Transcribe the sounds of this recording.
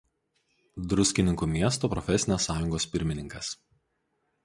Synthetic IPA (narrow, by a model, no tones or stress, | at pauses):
d̪ɾʊsʲkʲɪnʲɪŋkuːmʲiɛst̪oːpɾɔfʲɛsʲɪnʲoːsːɑːjʊŋɡoːspʲɪɾʲmʲɪnʲɪŋkɐs